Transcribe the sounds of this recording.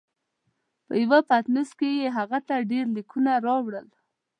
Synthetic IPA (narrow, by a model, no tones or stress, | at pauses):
pə̰jawapat̪nuskejeɦaɣat̪aɖeɾlikunaɾɑwɽəl